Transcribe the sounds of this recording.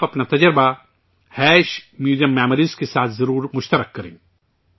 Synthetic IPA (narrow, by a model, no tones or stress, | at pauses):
ɐpnat̪ɐd͡ʒəɾba | hɛːʃmjuːzijəmːɛːmɾizkesaːt̪ʰzɐɾuːɾmʊʃt̪əɾəkːɐɾḛ̃ː